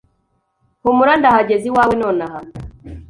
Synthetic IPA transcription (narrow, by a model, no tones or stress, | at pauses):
humuɾandahaɟeziwaːwenoːnaɦa